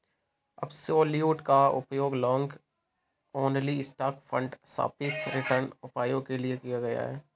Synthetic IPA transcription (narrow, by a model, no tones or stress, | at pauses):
ɐ̰bsoːljuːʈkaʊ̰pjoːɡlɔ̃ːŋɡ | oːnliɪsʈaːkfʰə̃ɳɖsa̰ːpɪt͡ʃɾɪʈəɾnʊpaːjõkeliekijaɡɐja̰ɦɛ̰ː